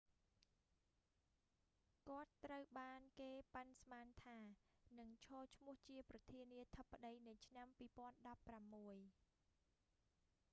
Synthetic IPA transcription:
kŏət̪ːrəwɓaːnkeːpansmaːnt̪ʰaːnɨŋt͡ɕʰɔːt͡ɕʰmʊ̆əht͡ɕiəprɑt̪ʰiəniət̪ʰəpːaɗəjnɨjt͡ɕʰnampiːpŏənɗɑpːramːuəj

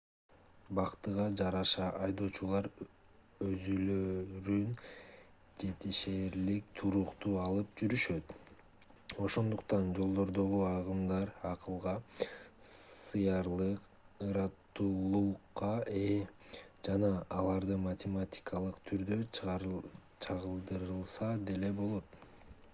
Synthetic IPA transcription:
bɑqt̪ɯʁɑd͡ʒɑɾɑʃɑʔɑjd̪o̞ːt͡ʃulˠɑɾ | øzyløɾyn | d͡ʒe̞t̪iʃeɾlik̚t̪ʰuɾuqt̪uɑlˠɯp̚d͡ʒyɾyʃø̞t̪ | o̞ʃo̞nd̪uqt̪ɑnd͡ʒo̞lˠd̪o̞ɾd̪o̞ʁuɑʁɯmd̪ɑɾɑqɯlˠʁɑ | sɯjɑɾlˠɯq | ɯɾɑt̪ːulˠuqːɑe | d͡ʒɑnɑːlˠɑɾd̪ɯmɐtʲematʲi̥kʰalˠɯqt̪ʰyɾd̪ø̞ | t͡ʃʰɑʁɯlˠd̪ɯɾɯlˠsɑd̪e̞le̞bo̞lˠo̞t̪̚

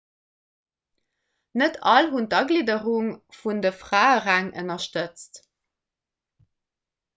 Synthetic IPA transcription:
nətʰɑlɦuntɑɡliːdəʁuŋfundəfʁaːəʁæŋʔə̰nɐʃtət͡st

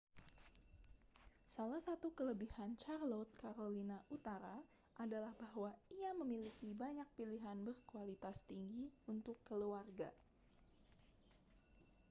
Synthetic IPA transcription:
salahsat̪ukələbihant͡ʃarlot̪̚kaɾolinaʔut̪aɾa | ʔadalahbahwaiaməmilikibaɲak̚piliɦanbərkualit̪ast̪iŋɡiunt̪ʊkːəluarɡa̰

